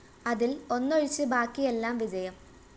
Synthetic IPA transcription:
ɐðilo̞nːoɻit͡ɕːɨbaːkːije̞lːaːmʋid͡ʑɐjɐm

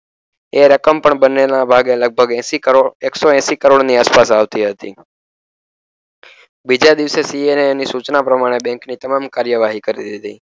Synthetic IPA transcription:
eɾəkəmpəɳbənenabʱaɡeləɡ̚bʱəɡɛ̃siəeksoɛ̃sikəɾoɽniaspasaʋt̪iɦət̪ḭ | bid͡ʒad̪iʋsesienenisut͡ʃnapɾəmaɽ̃ebɛ̃ŋknit̪əmamkaɾjəʋaɦikəɾḭd̪id̪i

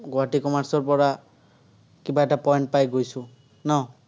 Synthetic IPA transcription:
ɡoatikɔmaɹsɔɹpɔɹa | kibaɛtapɔjnt̚pajɡojsʊ̃ | naw

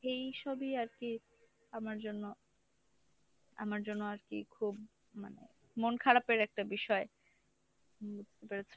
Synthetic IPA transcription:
ejʃɔbiaɾki | amaɾd͡ʑonːo | a̰maɾd͡ʑonːoaɾkḭkʰub | ma̰nḛ | monkʰaɾapeɾɛk̚ʈabiʃɔe | bud͡ʑʱt̪epeɾet͡ɕʰe

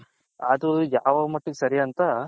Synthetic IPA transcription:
ɐd̪ujaːʋɐmɐʈːuɡesɐɾijɐnt̪ɐ

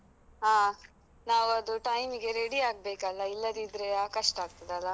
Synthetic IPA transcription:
ɦaː | naːʋuɐd̪uʈɐjmiɡe̞ɾeɽiaːɡ̚beːkɐlːɐilːɐd̪id̪ɾe̞aːkɐʂʈaːɡ̚t̪id̪eɐlːɐ

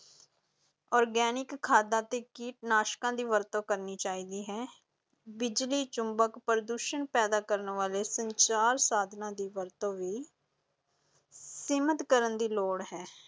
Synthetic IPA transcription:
ɔːɾɡɛːnɪkʰːaːd̪ãːt̪eːkiːʈnaːʃkãːd̪iːʋəɾt̪õːkəɾniːt͡ʃaːiːd̪iːɦɛː | bɪd͡ʒliːt͡ʃʊmbəkpəɾəd̪uːʃənpɛːd̪aːkəɾnʋaːleːsəɲt͡ʃaːɾsaːd̪ʱnãːd̪iːʋəɾt̪õːʋiː | sɪmət̪kəɾənd̪iːloːɽɦɛː

